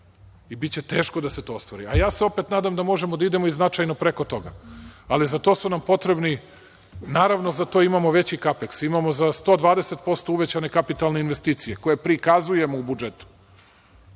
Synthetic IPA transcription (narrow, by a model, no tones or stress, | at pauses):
ibit̪t͡ɕe̞t̪e̞ːʃkod̪aset̪o̞ːst̪ʋoɾḭajaːseo̞pet̪naːd̪amd̪amo̞ʒe̞mod̪aid̪e̞moiznat͡ʃajno̞pɾeko̞t̪o̞ɡa̰alizat̪o̞ːsunampo̞t̪ɾe̞bni | naːɾaʋno̞zat̪oimamo̞ʋe̞t͡ɕikapeksimamo̞zast̪o̞d̪ʋaːd̪eset̪po̞st̪o̞uʋet͡ɕane̞kapit̪alˠne̞inʋest̪iːt̪sije̞koje̞pɾikazuje̞moubud͡ʒet̪u̥